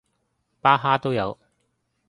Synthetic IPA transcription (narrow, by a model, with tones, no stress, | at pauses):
paː˥ɦaː˥t̪o˥wjɐ̰˨˧w